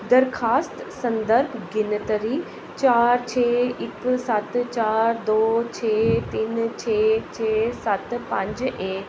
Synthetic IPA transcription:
d̪əɾxʰaːst̪sɐ̃nd̪əɾbɡɪnt̪əɾiː | t͡ɕaːɾt͡ɕʰeːɪksɐt̪t͡ɕaːɾd̪oːt͡ɕʰeːt̪ɪnt͡ɕʰeːt͡ɕʰeːsɐt̪pɐ̃ɲd͡ʑeː

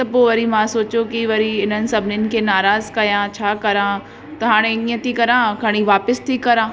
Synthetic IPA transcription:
t̪ɐpoʋɐɾimãsoːt͡ɕokiʋɐɾiɪnənɪ̆sɐbʱɪnɪnɪ̆kʰeːnaːɾaːzkɐjãt͡ɕʰaːkɐɾãː | t̪ɐɦaːɽ̃eĩːə̃t̪ʰikɐɾãkaɽ̃iʋaːpɪst̪ʰikɐɾãː

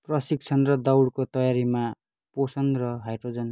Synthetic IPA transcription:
prʌsiɡ̚t͡sʰʌnrʌd̪awɽkot̪ʌjaɾima | posʌnrʌɦajʈrod͡zʌn

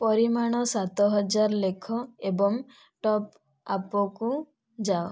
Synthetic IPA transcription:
pɔɾimaɽ̃ɔsat̪ɔɦɔd͡ʒaɾɔlekʰɔebɔŋ | ʈɔp | apɔku | d͡ʒao

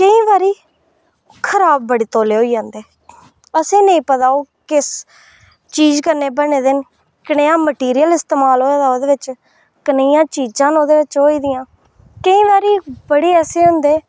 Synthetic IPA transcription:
kəĩːʋaːɾiː | kʰəɾaːb̚ːəɽiːt̪oːleːɦoːiːd͡ʒãːnd̪eː | əsẽːnəĩːpət̪aːoːkɪs | t͡ʃiːd͡ʒkəɾneːbəneːd̪ɪn | kəɽeːãːməʈiːɾijəlɪst̪eːmaːloːaːd̪aːoːd̪eːʋɪt͡ʃ | kənːjãːt͡ʃiːd͡ʒãːnoːd̪eːʋɪt͡ʃɦoːiːd̪ɪjãː | kəĩːʋaːɾiːbəɽeːɛːseːɦʊ̃nd̪eː

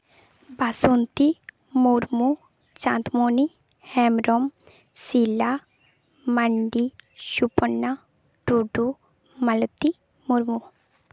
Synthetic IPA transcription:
basont̪i | muɾmu | t͡ʃã̰ːnt̪moːni | hɛmɾom | sila | məɳɖiʃupənːa | ɖ̥uɖu | mɐlt̪i | muɾmu

